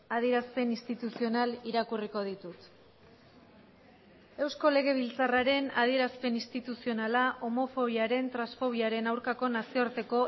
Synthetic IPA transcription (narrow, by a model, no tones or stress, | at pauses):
að̞ie̞ɾaspe̞nist̪it̪usio̞naliɾakuriko̞ð̞it̪ut̪ | e̞wsko̞le̞ɣ̞e̞β̞ilt͡saraɾe̞nað̞ie̞ɾaspe̞nist̪it̪usio̞nalaʔo̞mo̞fo̞β̞iaɾe̞nt̪ɾasfo̞β̞iaɾe̞nawɾkako̞nasioɾt̪e̞ko̞